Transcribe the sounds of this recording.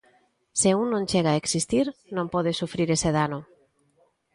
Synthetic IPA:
seuŋnõŋt͡ʃeɣaeksist̪iɾnõmpɔð̞esufɾiɾeseðano

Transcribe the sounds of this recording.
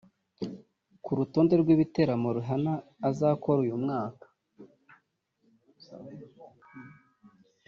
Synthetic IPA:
kuɾuto̞ːnde̞ɾɡwiβite̞ɾamoɾuɦanaːzakoɾujumŋaːkḁ

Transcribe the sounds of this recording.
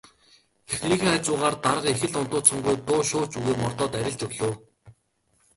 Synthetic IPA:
exnɾiːxeːat͡ɕʊːʁaːrt̪aɾə̆qexɘ̆ɮʊn̥t̪ʊːsɔ̆ŋɡujt̪ʊːʃʊːt͡ɕuɣeːmɔr̥t̪ɔːt̪æɾʲɪ̆ɮt͡ɕɵɣɮŏː

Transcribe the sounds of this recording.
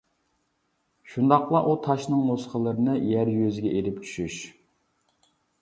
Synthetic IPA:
ʃund̪ɑqlˠɑʔut̪ʰɑʃnɨŋmosqəlˠəɾɨnɨjæɾjøzɪɡʲɛʔeɾɪpt͡ʃʰy̥ʃyʃ

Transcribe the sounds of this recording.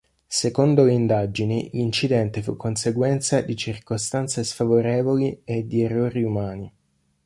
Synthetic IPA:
sekond̪oleind̪ad͡ʒinilint͡ʃid̪ɛnt̪efṵkːonseɡwɛnt̪sad̪it͡ʃirkost̪ant̪sesfavoɾeːvolied̪ierːoːɾiumaːni

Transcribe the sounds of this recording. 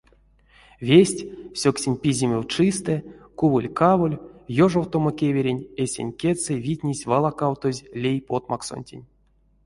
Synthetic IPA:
vʲesʲtʲsʲoksʲinʲpʲizʲimʲewt͡ʂɨst̪ɛkuwɨlʲkavolʲjoʐowt̪o̞mokʲevʲeɾʲenʲesʲḛnʲkʲesevʲitʲnʲisʲvalˠakawt̪ozʲlʲejpot̪makso̰nʲtʲḛnʲ

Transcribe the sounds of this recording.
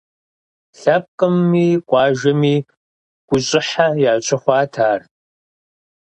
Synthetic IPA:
ɬɐp̚qʼɨmːiːkʷʼɑːʒɐmiː | ɡ̥ʷʊɕʼɪħajaːɕʼɪχʷɑːtʰaːr

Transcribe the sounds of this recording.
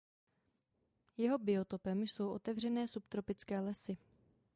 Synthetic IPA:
jɛɦo̞bɪo̞t̪o̞pɛmso̞wʔo̞̰t̪ɛvr̝ɛnɛːsupt̪ɾo̞pɪt͡skɛːlɛsɪ

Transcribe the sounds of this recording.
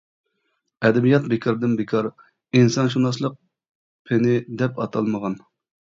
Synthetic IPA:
ɛd̪ɛbijɑt̪̚bɪkʰɑɾd̪ɪnbɪkʰɑɾ | insɑnʃ̬unɑslˠəq̚ | pʰɪnɪd̪ɛpɑt̪ʰɑlˠməʁɑn

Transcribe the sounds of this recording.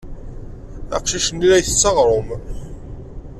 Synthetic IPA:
æ̰qʃiʃənːilæjθət͡sːɑʁɾˤom

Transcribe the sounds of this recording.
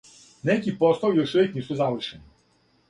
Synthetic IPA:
nɛkipɔst̪ɔljɔʃɔʋʲeknisuzaʋrʃɛni

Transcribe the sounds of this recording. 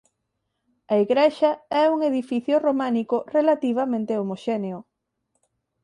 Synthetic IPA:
ɐeɣɾeʃɐɛuŋeðifiθjʊromanikʊrelat̪iβ̞ɐmẽnt̪eomoʃɛneʊ

